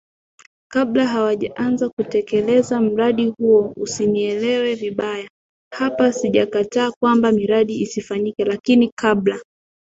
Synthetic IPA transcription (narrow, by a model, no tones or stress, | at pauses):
kaɓlaɦawaʄaʔanzakutɛkɛlɛzam̩ɾaɗihuɔusiniɛlɛwɛviɓaja | hapasiʄakataːkwambamiɾaɗiisifaɲikɛlakinikaɓla